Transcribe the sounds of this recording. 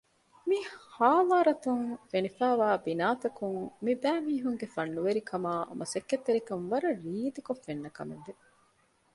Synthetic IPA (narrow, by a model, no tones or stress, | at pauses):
mihaːʋaːɾɐt̪uŋfenifæːʋaːbinaːt̪ɐkuŋmibæːmiːɦuŋɡefɐnːuʋeɾikʰɐmaːɐ̰mʔɐsɐkːet̪ːeɾikɐnʋɐɾɐɾiːd̪ikofːenːɐkɐ̰mḛnde